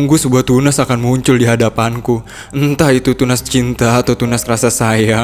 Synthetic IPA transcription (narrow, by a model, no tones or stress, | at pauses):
ŋɡusəbuaht̪unasakanmuɲt͡ʃʊldiɦadapanku | ənt̪ait̪ut̪unast͡ʃint̪aːt̪awt̪unaskɾasasaja